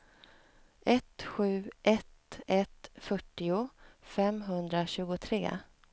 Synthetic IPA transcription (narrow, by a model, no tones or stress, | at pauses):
ʔɛt̪ɧʉ̟ːʔɛt̪ɛt̪fœʈːɪʊfɛmɦɵnd̪ɾaɕʉ̟ːɡʊt̪ʰɾḛː